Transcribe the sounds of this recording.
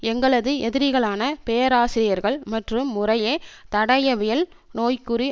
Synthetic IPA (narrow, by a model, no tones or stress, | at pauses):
ɛŋɡɐɭɐðɯʔɛðɪɾɪɣɐɭaːnɐpɛjɐɾaːsɪɾɪjɐɾɣɐɭmɐʈrɯmːʊrɐjeːt̪ɐɽɐjɐʋɪjɐl | noːjkɯɾi